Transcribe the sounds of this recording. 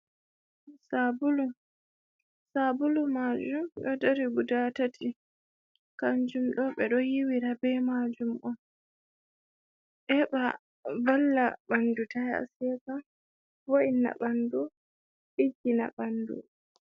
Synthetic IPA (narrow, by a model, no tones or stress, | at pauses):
sabulu | sabulumad͡ʒumɗɔdaɾiɡudatatʰi | kaɲd͡ʒumɗɔɓɛɗɔjiwiɾabɛmad͡ʒumʔɔn | ʔɛɓa | valːaɓandutaja̰sɛka | boina̰ɓandu | ɓid͡ʒina̰ɓandṵ